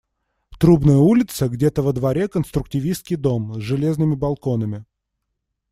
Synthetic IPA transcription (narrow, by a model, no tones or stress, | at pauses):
t̪ɾubnəjəulʲɪt̪səɡdʲet̪əvəd̪vɐɾʲekənst̪ɾʊk̚tʲɪvʲist̪kʲɪjd̪o̞mzʐɨlʲeznɨmʲɪbɐlˠko̞nəmʲɪ